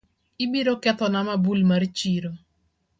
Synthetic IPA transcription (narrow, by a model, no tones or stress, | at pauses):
ibiɾokɛt̪ɔnamabulmart͡ʃiɾo